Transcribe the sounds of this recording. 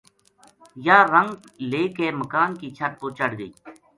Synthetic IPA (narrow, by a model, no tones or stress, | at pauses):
jaːɾəŋɡ | leːkeːməkaːnkiːt͡ʃʰəʈ̪̚poːt͡ʃəɽɡəː